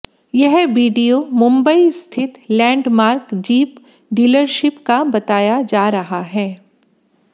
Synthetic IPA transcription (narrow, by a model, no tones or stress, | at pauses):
jɛɦʋiːɖijomʊ̃mbəist̪ʰɪt̪lɛ̃ːɳɖmaːɾkd͡ʒiːp | ɖiːləɾʃɪpkabɐt̪aːjad͡ʒaːɾɐɦaɦɛː